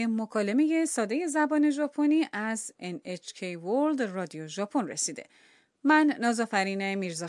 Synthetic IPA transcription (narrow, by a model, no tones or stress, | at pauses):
emokʰɒːle̞meje̞sɒːd̪e̞je̞zæbɒːne̞ʒɒːpʰo̞niːʔæzenet͡ʃʰcʰejvold̪rɒːd̪ijoʒɒːpʰo̞nre̞̰siːd̪e̞̰ | mænːɒːzɒːfæɾiːne̞miːɾzɒ